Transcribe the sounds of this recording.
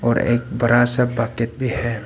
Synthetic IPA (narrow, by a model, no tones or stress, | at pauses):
ɔːɾḛːk̚bɐɾasabaːkɪt̪̚bʱihɛː